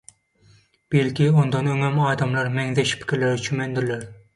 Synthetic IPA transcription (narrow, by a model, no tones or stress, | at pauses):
b̥elkʲiond̪ɑnøŋɛmɑːd̪ɑmlˠɑɾmɛŋðɛʃpʰɪ̥kʲʰɪɾlæɾɪt͡ʃʰymɛnd̪ɪɾlæɾ